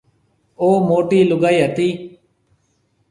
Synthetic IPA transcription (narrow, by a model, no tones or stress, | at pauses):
oːmoːʈiːlʊɡaːiːɦət̪iː